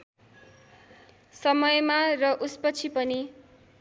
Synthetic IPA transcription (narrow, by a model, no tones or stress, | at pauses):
sʌmʌjmarʌʔuspʌt͡sʰipʌni